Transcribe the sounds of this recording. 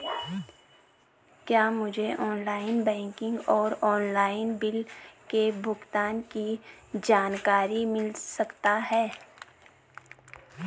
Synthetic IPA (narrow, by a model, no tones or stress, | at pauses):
kjaːmʊd͡ʒʱeʔɔːnlaːɪnbɛ̃ːŋkɪ̃ŋɡɔːɾɔːnlaːɪnbɪlkebʱʊɡt̪aːnkid͡ʒaːnkaːɾimɪlsɐkt̪aɦɛː